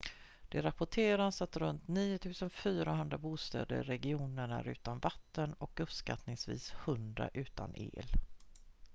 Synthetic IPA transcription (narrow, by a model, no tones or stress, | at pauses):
d̪̥ɛɾapʊʈʰeːɾansat̪ɾɵnt̪niːʊt̪ʰʉ̟ːsənfyːɾaɦɵnd̪ɾabuːst̪ɛ̰ːd̪ə̰ɾɛɡɪuːnəɳaɾʉ̟ːt̪anvat̪ːənɔkɵpska̰t̪nɪŋsvḭːshɵnd̪ɾa̰ʔʉ̟ːt̪anʔḛːl